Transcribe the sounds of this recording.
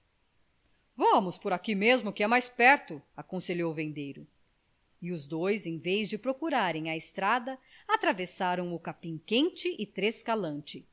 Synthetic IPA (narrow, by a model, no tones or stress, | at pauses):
vɐ̃mʊspʊɾakimezmʊkɪɛmajspɛɾt̪ʊakõseʎowvẽnd̪ejɾʊ | ɪʊzd̪ojzẽj̃vejzd͡ʒɪpɾokuɾaɾẽj̃ɐɪst̪ɾad̪ɐat̪ɾavesaɾɐ̃w̃ʊkapĩŋkẽnt͡ʃɪʔɪt̪ɾeskalɐ̃nt͡ʃɪ